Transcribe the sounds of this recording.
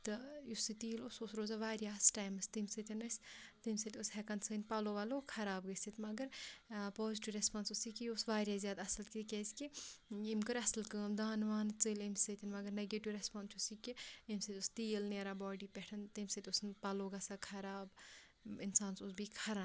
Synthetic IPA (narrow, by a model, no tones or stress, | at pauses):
t̪ɨjusit̪iːlusosɾoːzaʋaːɾʲjaːsʈaːjmɨst̪imsɨt̪ʰʲɐnɐsʲt̪imʲsɨt̪ʲushɛkɐnsɨːnʲpɐloʋɐlokʰɐɾaːbɡəsit̪mɐɡəɾpɔːziʈiʋɾespaːnsusikiusʋaːɾʲjaːzʲjaːd̪ɐsɐlkit̪kʲeːskiimkɐɾɐsɐlkəːmd̪aːnʋaːnt͡sɨlimsɨt̪ʲinmɐɡəɾneɡeʈiʋɾespaːnsʰusikiimʲsɨt̪ʲust̪iːlneɾaːbɔːɖipɛʈʰɐnt̪imʲsɨt̪ʲʊsnpɐloɡɐsakʰɐɾaːb | ɪnsaːnsosbʱikʰɐɾan